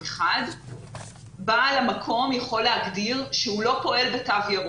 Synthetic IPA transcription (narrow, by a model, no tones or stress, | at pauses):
eχad̪ | balamakʰo̞mjaχo̞lehaɡdiʁʃeulo̞po̞ʔe̞lbetavjaʁ